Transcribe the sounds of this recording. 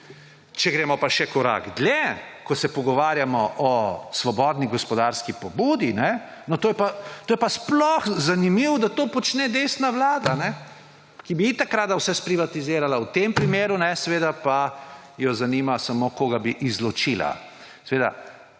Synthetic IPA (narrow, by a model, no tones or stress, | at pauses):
t͡ʃɛɡɾeːmɔpaʃɛkɔɾa̰ɡd̪lʲɛkɔsɛpɔɡɔʋaːɾjamɔʔɔsʋɔbɔːd̪niɡɔspɔd̪aɾskipɔbuːd̪inɛ | nɔt̪oːjɛpat̪oːjɛpasplɔxzanimiwd̪at̪oːpɔt͡ʃnɛd̪eːsnaʋlaːd̪anɛ | kibiit̪akɾad̪awsɛspɾiʋat̪izeːɾalawt̪empɾimeːɾunɛsɛʋeːd̪apa | jɔzaniːmasamokoːɡabiʔizlɔt͡ʃila̰ | sɛʋeːd̪a̰